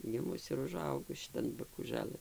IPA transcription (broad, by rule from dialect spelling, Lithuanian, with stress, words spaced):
ɡʲɪˈmʊs ɪr ʊˈʒɐʊɡʊs ʃʲɪˈtɐn bɐkuːˈʒɑːlˠɘn